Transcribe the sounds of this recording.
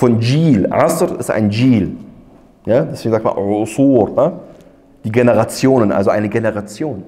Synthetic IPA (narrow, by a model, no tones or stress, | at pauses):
fɔnd͡ʒiːlʔa̰sɾɪsta̰ɪnd͡ʒiːl | jaːdɛsveːɡŋ̩zaktma̰nʕʊsuːɾda | d̥iːɡeneʁat͡sjoːnənʔa̰lzoʔaɪnəɡeneʁat͡sjoːn